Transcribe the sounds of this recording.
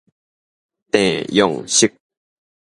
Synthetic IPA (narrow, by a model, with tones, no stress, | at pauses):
t̪ɛ̃˨jɔ˨ŋɕi˦k̚